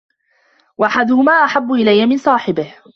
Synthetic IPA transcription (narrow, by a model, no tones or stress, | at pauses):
waʔaħad̪ʊhʊmaːʔaħabːʊʔɪlajːamɪnsˤɑːħɪbɪh